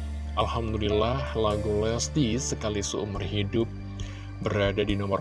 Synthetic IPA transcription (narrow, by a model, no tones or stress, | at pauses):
ʔalhamd̪ulilahlaɡulɛst̪isəkalisəṵmʊrɦidʊp̚ | bəɾadadinɔmɔr